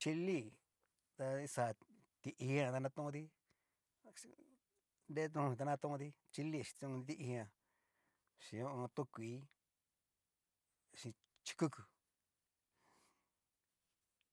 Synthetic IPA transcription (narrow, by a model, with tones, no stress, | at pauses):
t͡ʃi˧li˦˧˨ | t̪a˧i˧sa˨ | t̪i˧ʔi˧hi˧ã˧t̪a˧nã˧t̪ũ˦˧t̪i˦ | nde˦t̪ũ˧ĩ˧a˧nã˧t̪ũ˦ũ˧t̪i˦ | t͡ʃi˧li˦˧˨i̥˧ũ˧i˧t̪i˦˧ʔi˧ã˧ | ʃĩ˨˧õ˦ʔõ˧t̪ũ˦kʷiː˨˦ | ʃĩ˧ | t͡ʃi̥˧ku˦kɨ˨